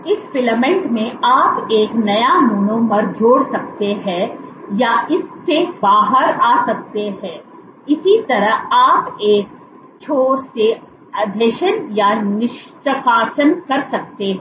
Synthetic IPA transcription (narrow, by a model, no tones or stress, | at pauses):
ɪsfɪləmɛ̃ɳʈmẽaːpeːknɐjamʊnõːməɾd͡ʒoːɽsɐk̚t̪eɦɛ̃jaɪsːebaːɦəɾaːsɐk̚t̪eɦɛ̃ː | ɪsit̪ɐɾəɦaːpeːk | t͡ʃʰoːɾse | ɐd̪ʱeʃənjanɪʃʈ̪əkaːsənkɐɾsɐk̚t̪eɦɛ̃